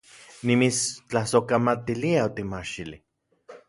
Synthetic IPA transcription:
nimit͡st͡ɬahsokamat̪iliaot̪imaʃili

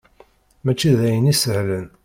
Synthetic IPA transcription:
mæt͡ʃːiðæjənisəhlən

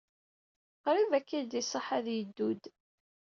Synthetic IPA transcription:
qɾivækːid̪isˤəħaðjəd̪ːud̪

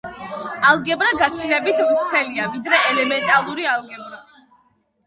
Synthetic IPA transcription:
alˠɡɛbɾaɡat̪sʰilɛbit̪ʰbt̪sʰɛliavid̪ɾɛɛlɛmɛnt̪ʼalˠuɾialˠɡɛbɾa

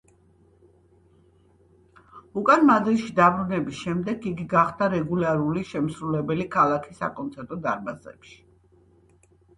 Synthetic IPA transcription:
ukʼanmad̪ɾiʃid̪abɾunɛbisʃɛmd̪ɛɡiɡiɡaχd̪̥aɾɛɡulaɾuliʃɛmsɾulɛbɛlikʰalˠakʰisa̰kʼɔnt̪sʰɛɾt̪ʼɔd̪aɾbazɛ̰pʃi̥

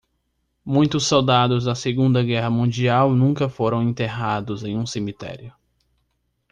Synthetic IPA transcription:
mũj̃t̪ʊsːowd̪ad̪ʊzd̪ɐseɡũnd̪ɐɡɛɦɐmũd͡ʒiawnũŋkɐfoɾɐ̃w̃ẽnt̪eɦad̪ʊzẽj̃ũsemit̪ɛ̰ɾiʊ

